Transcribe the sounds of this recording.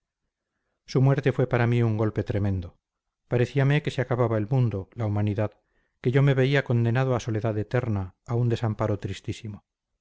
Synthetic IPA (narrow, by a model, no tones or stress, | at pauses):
sumwe̞ɾt̪e̞fwe̞paɾamiuŋɡo̞lpe̞t̪ɾe̞mẽ̞nd̪o | paɾe̞θiameke̞seakaβaβae̞lmũnd̪olaumaniðað | ke̞ʝo̞me̞βe̞iako̞nd̪e̞nað̞oaso̞le̞ðaðet̪e̞ɾnaːund̪e̞sampaɾo̞t̪ɾist̪isimo